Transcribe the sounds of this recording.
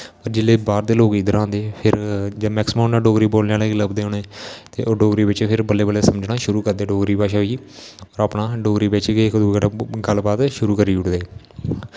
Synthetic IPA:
pəɾd͡ʒɪleːbaːɾd̪eːloːɡid̪əɾãːnd̪eːpʰɪɾd͡ʒemɛːksɪmãːnːãːɖoːɡɾiːboːlnãːleːɡləbd̪eːɦoːneːt̪ḛːʔoːɖoːɡɾiːbɪt͡ʃpʰɪɾbəlːeːbəlːeːsəməd͡ʒnaːʃʊɾuːkəɾd̪eːɖoːɡɾiːpaːʃaːɦoiː | ɔːɾaːpnaːɖoːɡɾiːbeːt͡ʃːɡekd̪uɡəlːbaːd̪ʃʊɾuːkəɾiːʊʈʰd̪eː

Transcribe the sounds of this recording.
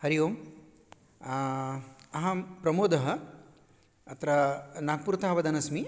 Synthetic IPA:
hɐɾijoːm | ɐɦɐpɾɐmoːd̪ɐɦɐ̆ | ɐt̪ɾɐnaːɡ̚puːɾt̪aːɦɐʋɐd̪ɐnɐsmi

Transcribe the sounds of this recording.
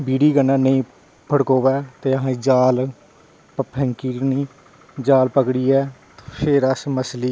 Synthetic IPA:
biːɽiːɡənːãːnəĩː | pʰəɽkoːʋɛːt̪eːəɦãːd͡ʒaːl | ppʰɛ̃ŋkiːɾnĩː | d͡ʒaːlpəkɽiːɛː | pʰeɾəsməsliː

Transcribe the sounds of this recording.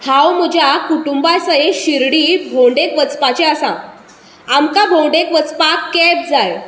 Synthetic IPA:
hãwm̤əd͡ʑʱjakuʈumbajsəɦeɕiɾɽiːbʱõɳɖekʋət͡spat͡ɕeəsã | amkabʱõɳɖekʋət͡spakːɛb̚d͡zaj

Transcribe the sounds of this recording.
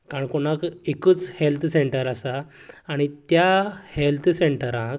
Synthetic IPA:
kaɳkonãkekut͡shelt̪ʰseɳʈəɾasaːɽ̃it̪jahelt̪ʰseɳʈəɾãk

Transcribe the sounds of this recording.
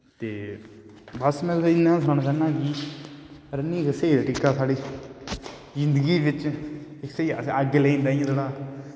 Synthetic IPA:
t̪eː | bəsmɛ̃ːɪnːãːsaːnaːt͡ʃaːnãːkiː | əɾənĩːkseːid̪aːʈɪkːaːsaːɽiː | zɪnd̪ɡiːbɪt͡ʃɪksea̰səɡleːĩːnd̪aːiãd͡ʒ̪eːɽaː

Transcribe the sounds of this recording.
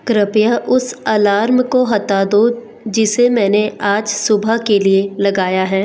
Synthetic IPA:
kɾɪpjaʔʊsaːlaːɾmkoɦɐt̪aːd̪o | d͡ʒɪsemɛ̃ːneʔaːd͡ʒsʊbʱəkelielɐɡaːjaɦɛː

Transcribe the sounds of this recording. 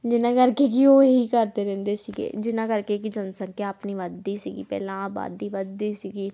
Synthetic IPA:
d͡ʒɪnãːkəɾkekioːɦikəɾt̪eɾɛ̃ːnd̪esiɡḛd͡ʒɪnãːkəɾkekid͡ʒənsə̃ŋkaəpniʋaːd̪ːiːsiɡḭpɛ̰ːlãaːba̰ːd̪iːʋəd̪ːiːsiɡiː

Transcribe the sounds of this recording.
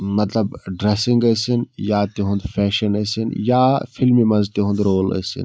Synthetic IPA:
mɐt̪lɐbɖɾesĩŋɡɐːsinjaːt̪iɦũnd̪fʰɛːʃɐnɐsinjaːfʰilmimɐ̃nzt̪iɦũnd̪ɾoːlə̰ːsḭn

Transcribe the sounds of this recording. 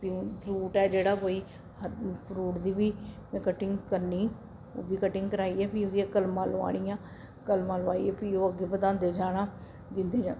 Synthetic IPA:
pĩpʰɾuːʈɛːd͡ʒeːɽaːkoːiː | əpʰɾuːʈd̪iːbiːmɛ̃ːkəʈːɪŋɡkəɾniː | o̰ːbiːkəʈɪŋɡkəɾaːiɛːpiːʊd̪ijãːkəlmãːlʋa̰ːɽ̃ijãː | kəlmãːlʋaːḭɛːpiːoːəɡeːbəd̪ãːnd̪eːd͡ʒaːɽãː | d̪ɪnd̪eːd͡ʒãː

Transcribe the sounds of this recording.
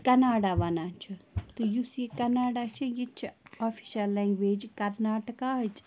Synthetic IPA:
kɐnaːɖaʋɐnat͡ʃʰut̪ɨjusikɐnaːɖat͡ʃʰijit͡ʃʰofʰi̥ʃɐlːɛːŋɡʋeːd͡ʒkɐɾnaːʈəkaːɦɐt͡ʃ

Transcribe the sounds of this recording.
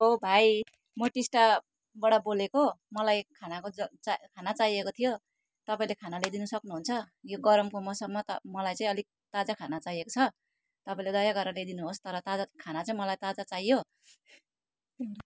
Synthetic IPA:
ɦobʱaj | mʌʈisʈa | bʌɽabolekomʌlajkʰanakot͡skʰanat͡saiekot̪ʰijo | t̪ʌpaĩlekʰanaled̪inʌsʌknuɦunt͡sʰʌjoɡʌɾʌmkomʌsʌmmːʌt̪mʌlajt͡sãĩʌli | t̪ad͡zakʰanat͡sajekot͡sʰʌ | t̪ʌpaĩled̪ʌjaɡʌɾʌled̪inuɦost̪ʌɾʌt̪ad͡zakʰanat͡saĩmʌlajt̪ad͡zat͡sajːo

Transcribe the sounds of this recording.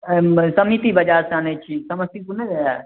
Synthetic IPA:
sɐmit̪ibɐd͡ʒaːɾseanet͡ʃʰisɐmɐsikunea

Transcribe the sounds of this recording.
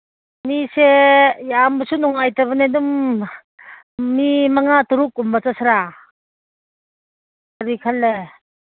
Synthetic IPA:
nisejambusunuŋajtaβanedum | imaŋatuɾuk̚umbat͡sasʰaɾa | aɾikʰalːe

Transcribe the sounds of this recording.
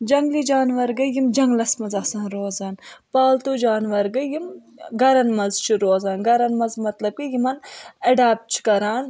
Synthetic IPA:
d͡ʒɐŋɡlid͡ʒaːnʋɐɾɡɐjimd͡ʒɐŋɡlɐsmɐzɐsaːnɾoːzaːnpaːlt̪ud͡ʒaːnʋɐɾɡɐjim | ɡɐɾɐnmɐzt͡ʃʰiɾoːzaːnɡɐɾɐnmɐzmɐt̪lɐb̚kijimɐnɐɖaːp̚t͡ʃʰi̥kɐɾaːn

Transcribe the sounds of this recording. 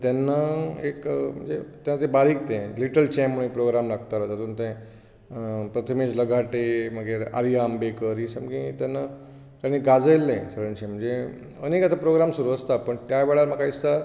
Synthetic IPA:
t̪janːaekm̤ə̰ɳd͡zet̪janːat̪ebaɾiːk̚t̪ẽliʈəlt͡ɕɛmːəɳ̃ipɾoɡɾamlaɡt̪aɾət̪at̪uːnt̪ẽ | pɾət̪ʰəmed͡ʑləɡʱaʈem̤əɡeɾa̰ɾijambekəɾisəmɡĩt̪janːa | t̪anːiɡad͡zəjlːẽsəɾəɳɕim̤əɳd͡ze | ənekat̪apɾoɡɾamsuɾuəst̪apəɳt̪jaʋeɭaɾm̤əkaisa

